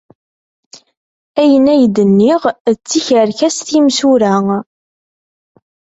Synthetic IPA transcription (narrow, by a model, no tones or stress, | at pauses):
æjənæjd̪ənːiʁt͡sːiçəɾçæsθimsuɾæ